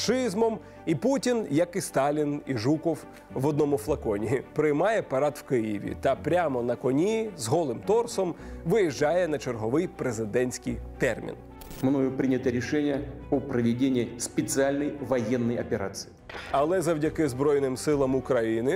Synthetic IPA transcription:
ʃɪzmɔm | iputʲinjɐkist̪ɑlʲiniʒukɔw | ʋɔd̪̚nɔmʊflˠɐkɔnʲipɾɪjmɑjɛpɐɾɑt̪w̥kɪjɪ̰ʋʲḭt̪ɐpɾʲamɔnɐkɔnʲizɦɔlˠɪmt̪ɔrsɔmʋɪjiʒd͡ʒɑjɛnɐt͡ʃerɦɔʋɪjpɾezɪd̪ɛnʲsʲkijt̪ɛrmʲḭn | mnojʊpɾʲinʲɪt̪əɾʲɪʂɛnʲɪjə | ɔpɾəʋʲɪdʲenʲɪːsʲpʲɪt̪sɨalʲnɐjvɐjɛnːɐjɐpʲeɾa̰t̪sɨ̥ɪɐlˠɛzɐwdʲɐkɪzbɾɔjnɪmsɪlˠɐmʊkɾɐjinɪ

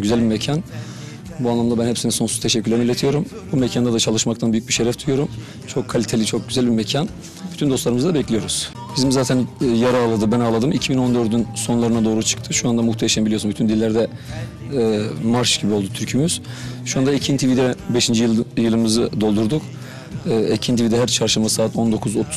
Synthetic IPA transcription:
ɟyzælʲbimecʰan | buanˠamd̪abænhepsiniso̞nsuzt̪ʰeʃɛcʰʲːylʲemilʲːet̪ʰijo̞ɾum | bumecʰand̪ad̪at͡ʃʰalˠɯʃmakt̪ʰanbyjyc̚biʃeɾɛft̪ʰujo̞ɾum | t͡ʃʰo̞kʰːalʲit̪ʰelʲit͡ʃʰo̞k̚ɟyzælʲbimecʰan | byt̪ʰynd̪o̞st̪lˠaɾɯmɯzad̪abɛclʲijo̞ɾuz̥ | bizimzaːt̪ʰænjaɾaːlˠad̪ɯbænalˠad̪ɯmicʰibino̞nd̪øɾd̪ynso̞nlˠaɾɯnad̪o̞ːɾut͡ʃʰɯ̥kt̪ʰɯʃuand̪amuxt̪ʰejʃambilʲio̞sunbyt̪ʰynd̪ilʲːæɾd̪ɛː | maɾʃɟ̥ibio̞lˠd̪ut̪ʰyɾcʰymyz̥ʃuand̪aicʰint̪ʰivid̪ɛbeʃind͡ʒijjɯlˠɯmɯzɯd̪o̞lˠd̪uɾd̪ukː | ecʰint̪ʰivid̪ɛɦæɾt͡ʃʰaɾʃɯmazsaːt̪ʰo̞nd̪o̞kʰuzo̞t̪ʰu̥

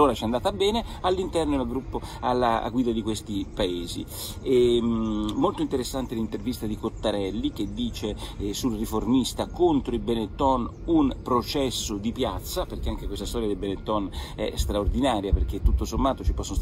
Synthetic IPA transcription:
oːɾat͡ʃɛand̪aːt̪abɛːnealːint̪ɛrnoaɡɾupːoalːa̰ɡwiːd̪ad̪ikwest̪ipaeːzḭ | ɛ | molt̪oint̪eɾesːant̪elint̪ervist̪ad̪ikot̪ːaɾɛlːik̟ed̪ːiːt͡ʃesulriformist̪akont̪ɾoibenet̪ːɔn | unpɾot͡ʃɛsːod̪ipjat̪sːaperk̟eaŋk̟ekwest̪ast̪ɔɾjad̪elbenet̪ːɔnɛ̰st̪ɾaord̪inaːɾjaperk̟et̪ːut̪ːosomːaːt̪ot͡ʃipɔsːonos

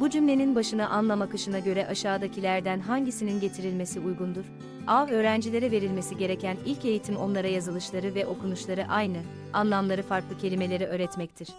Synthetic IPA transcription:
bud͡ʒymlʲe̞ninbaʃɯnaʔanlˠamakɯʃɯnaɟø̞ɾɛʔaʃaːd̪acʰilʲæɾd̪ænɦaɲɟisininɟe̞t̪ʰiɾilʲme̞siujɡund̪uɾ̥ | avø̞ːɾænd͡ʒilʲe̞ɾɛve̞ɾilʲme̞siɟe̞ɾe̞cʰænilʲce̞jit̪ʰimo̞̰nlˠaɾajazɯlˠɯʃlˠaɾɯvɛʔo̞kunuʃlˠaɾɯʔajnɯ | anlˠamlˠaɾɯfaɾklˠɯcʰe̞lʲime̞lʲe̞ɾiʔø̞ːɾɛt̪mɛc̚t̪ʰiɾ̥

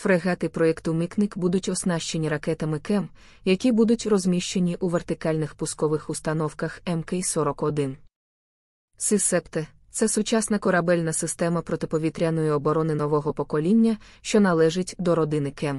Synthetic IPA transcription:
fɾeɣɑt̪ɪpɾɔjɛkt̪ʊmiknɪkbud̪ʊtʲɔsnɑʃt͡ʃe̞nʲiɾɐkɛt̪ɐmɪkɛm | jɐkʲibud̪ʊtʲrɔzmʲiʃt͡ʃe̞nʲiʔuʋert̪ɪkɑlʲnɪxpʊskɔʋɪxʊst̪ɐnɔwkɐxɛmkɛjsɔɾɔkɔd̪ɪn | sɪsɛpt̪e | t̪sɛsʊt͡ʃasnɐkɔɾɐbɛlʲnɐsɪst̪ɛmɐpɾɔt̪ɪpɔʋʲit̪ɾʲanɔjiɔbɔɾɔnɪnɔʋɔɦɔpɔkɔlʲinʲːɐ | ʃt͡ʃɔnɐlˠɛʒɪtʲd̪ɔɾɔd̪ɪnɪkɛm

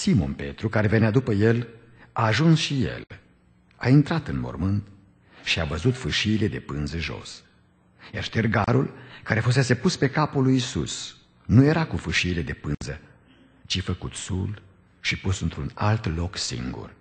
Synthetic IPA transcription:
simo̞̰npe̞̰t̪ɾukaɾe̞ve̞nead̪upəje̞l | aːʒunsʃije̞̰l | a̰int̪ɾat̪ɨnmo̰rmɨnt̪ | ʃiavəzut̪fɨʃiːle̞d̪e̞pɨnzəʒo̞̰s | jarʃt̪erɡaɾṵlkaɾefus̬e̞se̞puspe̞kapulːujsṵs | nuje̞ɾakufɨʃiːle̞d̪e̞pɨnzə | t͡ʃifəkut̪sul | ʃipusɨnt̪ɾunalt̪lo̞ksḭŋɡṵr

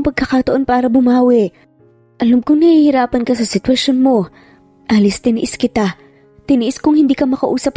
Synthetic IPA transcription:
ŋpɐɡ̚kːɐkat̪ɐʔo̞npaːɾɐbʊmaːwɪʔ | ʔɐlamkoŋnɐhihɪɾaːpɐnkɐsɐsɪt̪wɐʃonmo̞ | ʔaːlɪst̪ɪnɪ̰ʔɪskɪt̪a | t̪ɪnɪʔɪskʊŋhɪnd̪iːkɐmɐkɐʔuːsɐp̚

